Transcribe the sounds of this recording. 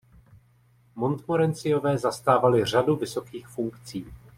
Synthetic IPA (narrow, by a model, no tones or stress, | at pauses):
mo̞nt̪moɾɛnt͡sɪjo̞vɛːzast̪aːvalɪr̝aduvɪso̞kiːxfuŋkt͡siː